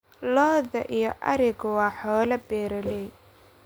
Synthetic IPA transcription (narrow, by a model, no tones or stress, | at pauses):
lɔːðɐʔijɞʔɐɾɪɣʊwɑːħɔːlɐbɛːɾɐlɛj